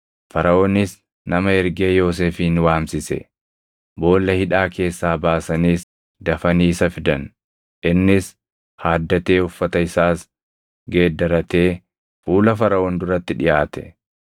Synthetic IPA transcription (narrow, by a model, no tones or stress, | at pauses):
fɐɾɐʔoːnɪs | nɐmɐɛɾɡe̞ːjo̞ːs̬eːfiːnwaːmsɪsɛ̰ | bo̞ːlːɐhɪᶑaːkʰe̞ːsːaːbaːsɐniːs | d̪ɐfɐniːsɐfɪd̪ɐn | ʔɪnːɪs | haːd̪ːɐt̪e̞ːʊfːɐt̪ɐɪsaːs | ɡe̞ːd̪ːɐɾɐt̪e̞ː | fuːlɐfɐɾɐoːnd̪ʊɾɐt̪ːɪᶑɪjaːt̪ɛ̥̰